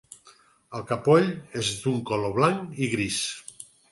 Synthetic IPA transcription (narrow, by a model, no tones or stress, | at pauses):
əlˠkapɔʎezd̪uŋkoloβlaŋiɣɾis